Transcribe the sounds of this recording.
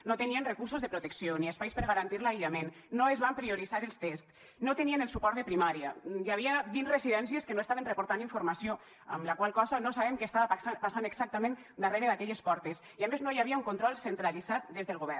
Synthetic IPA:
not̪enienrekuɾsuzðepɾot̪eksioniespajspəɾɣaɾant̪iɾlaiʎamenːoezβampɾioɾizaɾelˠst̪est̪ | not̪enienelˠsupɔɾt̪ðepɾimaɾiajaβ̞iaβinzresiðɛnsieskenoesaβenrepoɾt̪aniɱfuɾmasio | ə̰mlakwalˠkɔzanosaβemkest̪aβasapasanekɡsak̚t̪amẽn | d̪areɾeðakɛʎespɔɾt̪es | iameznojaβiauŋkont̪ɾɔlˠsent̪ɾalizat̪̚d̪ezðəlˠɣoβ̞ɛ

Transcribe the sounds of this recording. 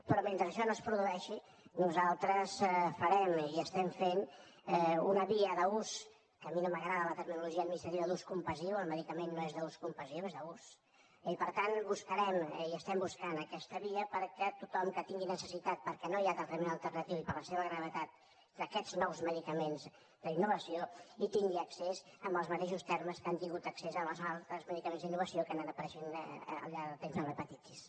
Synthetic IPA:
pɾɔment̪ɾəʃɔnoəspɾuðuɛʃi | nuzalˠt̪ɾəsfəɾɛmiəst̪ɛmfen | ɛunəβiəðəus | kəminoməɣɾaðələt̪əɾminuluʒiənmist̪əɾiðəd̪uskumpəziwəlˠməðikəmenːoezðəuskumpəziowezðəus | ipəɾt̪anbuskəɾɛmiəst̪ɛmbuskanəkɛst̪əβiəpəɾkɛt̪ut̪ɔmkət̪iŋɡinəsəsit̪at̪̚pəɾkɛnojad̪ət̪əmenəlˠt̪ərnət̪iwipəɾləseβəɣɾəβ̞ət̪at̪̚ | d̪əkɛd͡znɔwzməðikəmenz | d̪əinːuβəsioit̪iŋɡiəksezəmbəlˠzmət̪eʃust̪ɛɾməskant̪iŋɡut̪əksezəməzalˠt̪ɾəzməðikəmẽnzðinːuβəsiokənanəpəɾɛʃinə̰lʎaɾðət̪emzəlrəpət̪it͡ʃ̪is

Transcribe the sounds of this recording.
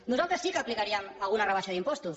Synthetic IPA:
nuzalˠt̪ɾəsikəːplikaɾiəmalˠɣunərəβaʃaðimpɔst̪us

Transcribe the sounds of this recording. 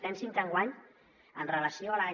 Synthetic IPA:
t̪ɛnsintaŋɡwaɲ | ənrəlasjoala

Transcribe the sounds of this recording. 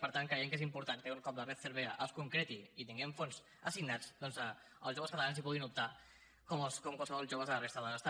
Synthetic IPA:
pəɾt̪aŋkɾəjeŋkezimpuɾt̪ankeuŋkɔp̚lərɛt̪θəɾβeəʔəlskuŋkɾet̪iit̪iŋɡɛɱfonz | əsiɡnat͡sd̪ɔnzə | ə̰lˠzʒoβəskət̪alanzipuɣ̞inup̚t̪a | kɔmskɔmkwalˠsəβɔlˠʒoβəzələrest̪əðələst̪a

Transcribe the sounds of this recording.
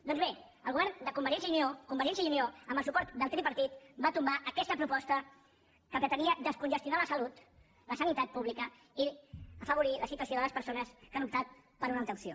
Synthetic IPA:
d̪ɔnzβe | əlˠɣuβɛɾnd̪əkumbəɾʒɛns̬jəuniokumbəɾʒɛnsjəiunioəmbəlˠsupɔɾt̪d̪əlˠt̪ɾipəɾt̪it̪bat̪umbaʔəkɛst̪əpɾupɔst̪ə | kəpɾət̪əniəd̪əskunʒəst̪junaləsəlut̪ | ləsənit̪at̪̚puβlikə | iəfəβ̞uɾiləsit̪wəs̬joðələspəɾsonəskanup̚t̪at̪̚ | pəɾunalˠt̪əksio

